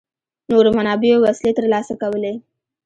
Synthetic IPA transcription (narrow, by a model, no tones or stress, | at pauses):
noɾmanabioʋəslet̪əɾlasakaʋəle